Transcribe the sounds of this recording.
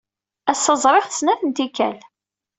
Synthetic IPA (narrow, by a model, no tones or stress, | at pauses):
æsəzˤɾˤɪχθə̥snæθənt̪ikæ̰l